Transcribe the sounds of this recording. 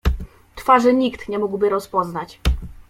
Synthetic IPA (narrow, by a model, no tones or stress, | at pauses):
t̪faʐɘɲikt̪ɲɛmuɡwbɘɾɔspɔznat͡ɕ